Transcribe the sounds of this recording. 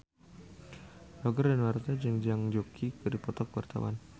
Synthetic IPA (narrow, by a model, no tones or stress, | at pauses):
lɔɡərdanwart̪ad͡ʒəŋd͡ʒaŋd͡ʒokʰikɨdipɔt̪ɔkwart̪a̰wa̰n